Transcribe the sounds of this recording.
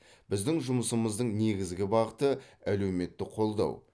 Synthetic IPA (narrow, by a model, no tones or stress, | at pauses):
b̥ɪzd̪ɪŋʒʊməsəməzd̪əɴne̞ɡʲɪzɡʲɪbɑʁət̪əæle̞wme̞t̪ːɪqʰo̞lˠd̪ɑ̰w